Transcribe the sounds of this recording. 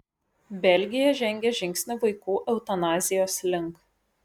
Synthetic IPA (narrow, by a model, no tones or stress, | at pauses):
bʲɛlʲɡʲɪjɛʒʲɛŋʲɡʲɛʒʲɪŋʲkʲsʲnʲʊʋɐɪkuːʔɛʊt̪ɐnɑːzʲɪjoːslʲɪŋˑk